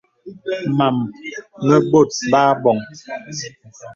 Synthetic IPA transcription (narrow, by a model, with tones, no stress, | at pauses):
ma˨mːmɛ˦bo˦˨t̚baː˦bɔ˨ŋ